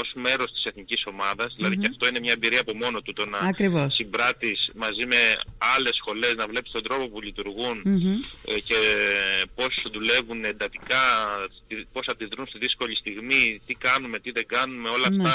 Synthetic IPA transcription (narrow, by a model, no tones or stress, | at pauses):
o̞zme̞ɾo̞st̪i̥se̞θniciso̞mɐðɐzðilɐðiceɐft̪o̞inemɲɐebiɾiɐːpo̞mo̞no̞t̪ut̪o̞nɐɐkɾivossibɾɐt̪ismɐzime̞ɐle̞sxo̞le̞znɐvle̞pi̥st̪d̪ɾo̞populit̪uɾɣun | ce̞ | po̞sðule̞vune̞nd̪ɐt̪ikɐt̪ipo̞sɐd̪iðɾunst̪iðisko̞ʎist̪iɣmit̪ikɐnume̞t̪iðe̞ɡɐnume̞o̞lɐːft̪ɐ